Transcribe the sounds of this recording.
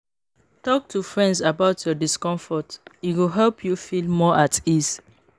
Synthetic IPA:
tɔk̚tufɹɛ̃ndzabaʊtʰjɔdiskɔ̃ɱfɔtiwilɦɛlpʰjufilmɔʔatis

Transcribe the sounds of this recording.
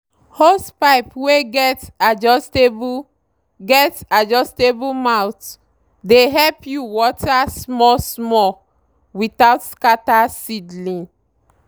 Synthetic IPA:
hospaɪpweɡɛtad͡ʒɔsteb | ɡɛtad͡ʒɔstebumaʊt | deɦɛlpʰjuwɔtasmɔsmɔ | witaʊtskatasidlĩŋ

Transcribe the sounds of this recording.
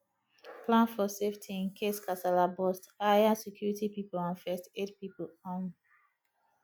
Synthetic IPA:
plãnfɔseftʰĩnkʰeskʰasalabɔstajasɛkʰjuɹitipiplãnfɛstetpiplɔ̃n

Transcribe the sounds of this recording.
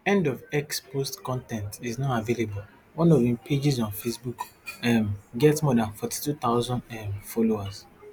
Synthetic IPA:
ɛ̃ndɔvɛkspostkɔ̃ntɛ̃ntiznɔtavelebul | wɔ̃nɔvĩmpʰed͡ʒizɔ̃nfesbuk | ɛmɡɛtsmɔdãnfɔti̥tut̪aʊzɔ̃ndɛmfɔloas

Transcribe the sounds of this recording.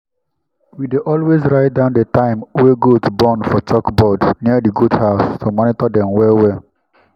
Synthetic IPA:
wideʔɔlwezɹaɪt̚dãʊ̃ndətãɪ̃mwɛɡotbɔ̃nfɔt͡ʃɔkbɔdsniədiɡudhaʊstʰumɔnitɔdɛ̃mwɛwɛ

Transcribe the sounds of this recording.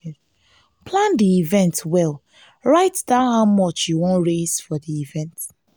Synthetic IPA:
pʰlãndiivɛ̃ntwɛlˠ | ɹaɪtdãhaʊmɔt͡ʃjuwõnɹezfɔðiivɛ̃nt

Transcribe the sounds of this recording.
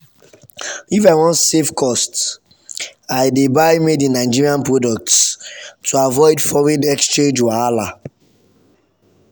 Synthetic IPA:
ifaɪwɔ̃nsefkʰɔst | aɪdebaɪmedĩnaɪd͡ʒiɹiãnpɹodɔk̚tstʰːuavɔɪdfɔɹidɛkst͡ʃẽnd͡ʒwaala

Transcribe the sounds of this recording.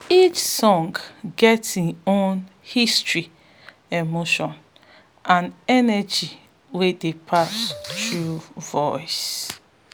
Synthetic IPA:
it͡ʃsɔ̃ŋɡɡɛtiõn | histɹi | emoʃɔ̃n | ʔãnɛnɛd͡ʒi | wedepʰastɹuvɔɪs

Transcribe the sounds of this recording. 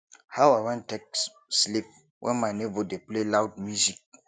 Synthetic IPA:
hawawɛ̃ntek̚ | slip̚ | wʔɛ̰̃nmaɪnebɔdeplelawd̚mjuzik̚

